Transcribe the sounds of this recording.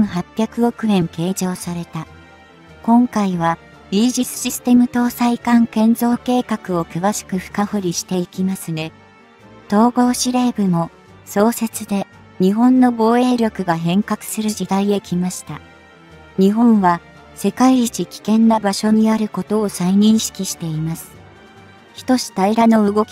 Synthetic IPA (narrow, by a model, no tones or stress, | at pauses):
ɰ̃ɦapʲːjakɯ̟o̞kɯ̟ẽ̞ŋke̞ːd͡ʑo̞ːsaɾe̞t̪a | kõ̞ŋkaiβ̞a | iːʑisɨ̥ɕisɨ̥t̪e̞mɯ̟t̪o̞ːsaikãŋkẽ̞nzo̞ːke̞ːkakɯ̟o̞kɯ̟βaɕi̥kɯ̟ɸɯ̟̥kahoɾʲiɕi̥t̪e̞ikʲimasɨne̞ | t̪o̞ːɡo̞ːɕiɾe̞ːbɯ̟mo̞ | so̞ːse̞t͡sɨd̪e̞ | ɲ̟iɦõ̞nːo̞ɡo̞ːe̞ːɾʲo̞kɯ̟ɡaɦẽ̞ŋkakɯ̟̥sɨɾɯʑid̪aie̞kʲʰimaɕi̥t̪a | ɲ̟iɦõ̞ɰ̃βa | se̞kaiit͡ɕikʲi̥kẽ̞nːabaɕo̞ɲ̟iaɾɯ̟ko̞t̪o̞ːsaiɲ̟ĩɰ̃ɕi̥kʲiɕi̥t̪e̞imasɨ̥ | çi̥t̪o̞ɕi̥t̪aiɾano̞ɯ̟ɡo̞kʲ